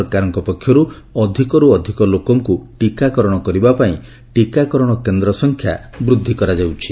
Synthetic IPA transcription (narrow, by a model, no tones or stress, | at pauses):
ɾkaɾɔŋkɔpɔkʰːjɔɾu | ɔd̪ʱikɔɾuɔd̪ʱikɔlokɔŋkuʈikakɔɾɔɽ̃ɔkɔɾibapaĩ | ʈikakɔɾɔɽ̃ɔkend̪ɾɔsɔŋkʰjabɾud̪ʱːikɔɾad͡ʒawt͡ʃʰi